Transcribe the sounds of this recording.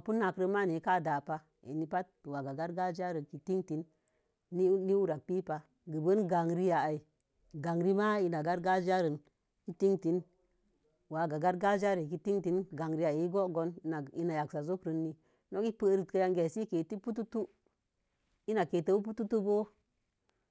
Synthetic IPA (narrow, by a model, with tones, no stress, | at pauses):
pu˦nːa˨kɾə˧ma˦ni˨˦ka˦˨da˨pa˦ | ḛ˨ni˦pa˦t̚ːwa˨ɡa˨ɡa˦ɾɡa˦d͡ʒa˦ɾə˨ki˨ti˦ŋti˨˦n | ni˦ni˦wu˦ɾa˨k̚k͡pi˦pa˨ | ɡə˨bə˦nɡa˨ŋɾi˦ja˨a˨i˨ | ɡa˨ŋɾi˦ma˦i˧na˨ɡa˦ɾɡa˦d͡ʒa˦ɾə˨n | i˦ti˦ŋti˨˦n | wa˨ɡa˨ɡa˦ɾɡa˦d͡ʒa˦ɾe˨k̬i˧ti˦ŋti˨˦nɡa˨ŋɾi˦ja˨i˨˦ɡo˦ɡo˨˦n˦˨i˦na˨ja˨ksa˨zo˦kɾə˧˦nːi˦ | no˦ki˦pə˦ɾi˨tkə˧ja˧ŋɡe˨si˦ke˨ti˦pu˦tu˦tu˦ | i˦na˨ke˨tə˦wu˦p̬u˦tu˦tu˦bo˦